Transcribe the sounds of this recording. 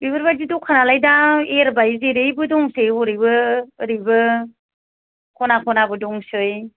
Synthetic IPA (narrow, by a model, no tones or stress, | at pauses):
bibɯɾbadidukʰanalajdaeɾbajzeɾɯjbɯdɔŋsɯjɔɾibɯːɾibɯ | kʰɔnakʰɔnabɯdɔŋsɯj